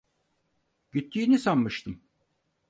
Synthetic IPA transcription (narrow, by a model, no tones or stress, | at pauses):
ɟyt̪ʰːiːnisamːɯʃt̪ʰɯm